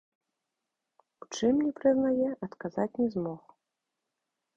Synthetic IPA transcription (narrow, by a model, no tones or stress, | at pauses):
ut͡ʂɨmnʲɛpɾɨznajɛʔɐt̪kazat͡sʲnʲɛzmɔx